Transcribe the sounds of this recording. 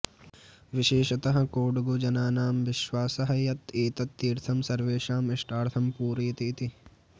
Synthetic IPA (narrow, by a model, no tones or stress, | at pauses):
ʋɪʃeːʃɐt̪ɐɦɐ̆koːɽuɡud͡ʒɐnaːnaːmʋɪʃʋaːsɐɦɐjɐt̪eːt̪ɐt̪ːiːɾt̪ʰɐmsɐɾʋeːʃaːmɪʂʈaːɾt̪ʰɐmpuːɾiːt̪iːt̪i